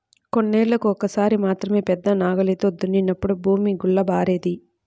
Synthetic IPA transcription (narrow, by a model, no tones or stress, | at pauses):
ko̞nːeːɭlɐkuɔkːɐsaːɾimaːt̪ɾɐme̞ːpɛd̪ːɐnaːɡɐleːt̪od̪ːunːinːɐpːuɽubʱuːmiɡuɭːɐbaːɾeːd̪i